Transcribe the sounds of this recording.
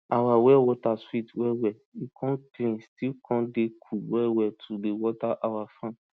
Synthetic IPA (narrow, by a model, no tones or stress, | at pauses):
awawɛwɔtaswitwɛwɛikʰɔ̃ndɾĩstilkʰɔ̃ndekʰuwɛwɛtʰudewɔtaʔawafã